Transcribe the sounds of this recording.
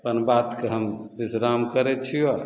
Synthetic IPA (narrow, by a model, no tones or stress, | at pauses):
pənbat̪keɦəmbisɾamkəɾet̪̚t͡ʃʰijo